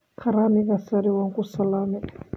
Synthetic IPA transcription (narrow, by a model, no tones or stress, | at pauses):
kʰaɾamiɣasaɾiwaŋkʼusalamɛ